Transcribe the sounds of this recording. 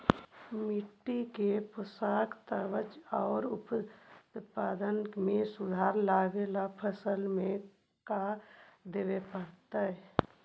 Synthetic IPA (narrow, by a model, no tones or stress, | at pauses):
mɪʈːikepəsaːkt̪əʋət͡ʃɔːɾʊptpaːd̪ənmẽsʊd̪ʱaːɾlaːɡelapʰəsəlmẽ | kad̪eːʋepəɽt̪aɦɛ